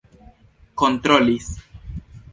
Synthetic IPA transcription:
kont̪ɾolis

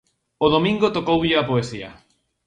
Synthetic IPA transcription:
oðomĩŋɡot̪okowʎɪapoesia̰

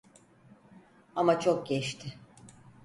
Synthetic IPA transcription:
amat͡ʃʰo̞k̚ɟɛʃt̪ʰɪ

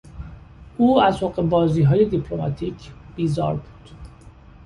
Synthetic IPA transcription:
ʔuːæzhoɢe̞bɒːziːɦɒːje̞d̪ipʰlo̞mɒ̰t̪ʰiːcʰb̥iːzɒ̰ːɾbuːd̪̥

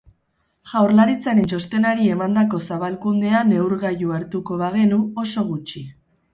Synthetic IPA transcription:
ʝawɾlaɾit͡saɾent͡ʃo̞st̪e̞naɾie̞mand̪ako̞saβalkund̪e̞ane̞wɾɣajuaɾt̪uko̞βaɣ̞e̞nuo̞so̞ɣ̞ut͡ʃi

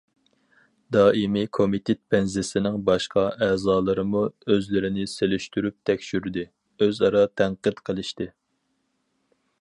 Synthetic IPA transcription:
d̪ɑːimikʰomit̪ʰɪt̪̚bɛnzɪsɪnɪŋbɑʃqʰɑʔɛːzɑːlˠɨɾɨmuøzlɪɾɪnɪselyʃt̪yɾyp̚t̪ʰɛkʲʃyɾd̪ɪ | øzɑɾɑt̪ʰæɴqɨd̪qʰəlˠɨʃt̪ɪ

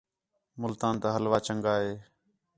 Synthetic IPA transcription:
mʊlt̪aːnt̪aːɦəlʋaːt͡ʃəŋɡaːɦeː

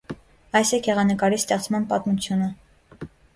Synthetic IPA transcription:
ɑjsɛkjɛʁɑnəkɑɾist̪ɛχt͡smɑnpɑt̪mut͡sʰjunə

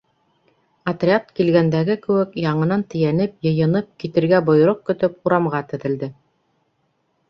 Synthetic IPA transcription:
ɐt̪rʲeat̪kilɡænd̪æɡɘkɘ̆wɘkjɑɴɤ̆nɑnt̪ɘ̆jænɘp̚jɤ̆jɤ̆nɤp̚kit̪ɘ̆ɾɡæbŏj̆ɾoq̚kɵ̆t̪ɵpuɾɑmʁɑt̪ɵ̆ðɘ̆ld̪ɘ

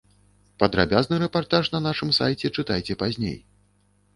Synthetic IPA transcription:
pɐd̪ɾa̰bʲaznɨɾɛpart̪aʂnɐnaʂɨmsajt͡sʲɛt͡ʂɨt̪ajt͡sʲɛpazʲnʲḛj

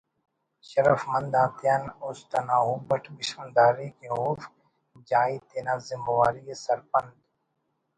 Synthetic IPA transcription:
ʃɐɾəfmɐ̃nd̪ãːt̪ijanʊst̪ɐnaːɦuːbəʈʰbɪʃmɐnd̪aːɾiːkeɦoːf | d͡ʒaːit̪eːnaːzɪmbɐwaːɾiesɐɾpənd̪

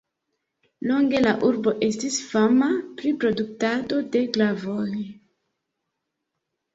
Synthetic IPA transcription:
loŋɡe̞laʔuɾbo̞ʔe̞stisfamapɾipɾo̞duk̚tado̞de̞ɡlavoj

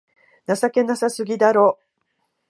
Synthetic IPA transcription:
nasake̞nasasɨɡʲid̪aɾo̞ː

